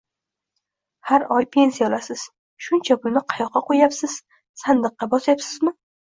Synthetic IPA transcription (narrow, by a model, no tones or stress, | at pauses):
haɾɒjpʰe̞nsijalasɪz̥ | ʃʊnt͡ʃʰapʊlnɪqʰɑjɒqːɑqʰojapsɪz̥ | sand̪ɨqːɑbɒsjapsɪzmɪ